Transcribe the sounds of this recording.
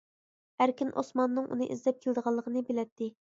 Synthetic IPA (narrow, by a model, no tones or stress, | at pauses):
æɾkʲinʔo̰smɑnːɨŋʔṵnɨʔizlɛp̚kʲʰelɪd̪əʁɑlˠːəqʰənɨbɪlɛt̪ːɪ